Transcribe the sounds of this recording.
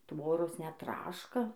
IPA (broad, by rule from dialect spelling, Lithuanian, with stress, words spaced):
ˈtʋoːroːs nʲɛt ˈtrɑːʃkɐ